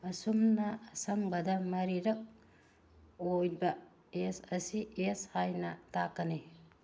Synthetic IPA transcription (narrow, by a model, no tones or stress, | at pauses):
ɐsumnɐːsɐŋbɐdɐmɐɾiɾɐk̚ | ojbɐ | esɐsieshajnɐtakɐni